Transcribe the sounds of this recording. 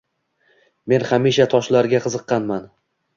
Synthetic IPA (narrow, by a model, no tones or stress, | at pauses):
me̞nχamiʃat̪ʰɒʃlaɾɡʲaqʰɨzɨqːɑnman